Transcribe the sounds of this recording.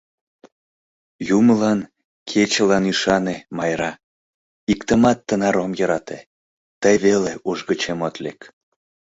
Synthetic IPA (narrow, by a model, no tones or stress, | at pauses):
juməlɑn | kʰet͡ɕəlɑniʃɑnemɑjɾɑ | ikt̪əmɑt̪ːənɑɾomjəɾɑt̪ḛ | t̪əjβeleuʒɣət͡ɕemot̪lek